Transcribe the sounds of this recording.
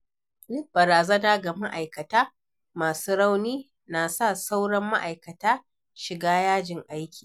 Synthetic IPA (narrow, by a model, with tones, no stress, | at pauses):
lɪ˦k̚b̥ɐ˨ɾaː˨zɐ˦naː˦ɡa˨ma˦ʔa˨jkɐ˨taː˦ | maː˨suː˦ɽa˦wniː˦ | naː˨sa˦˨sa˦wɽɐ˦mːa̰˦ʔa˨jkɐ˨taː˦ | ʃɪ˨ɡaː˦jaː˦d͡ʒɪ˨ŋʔa˦jkʲi̥ː˨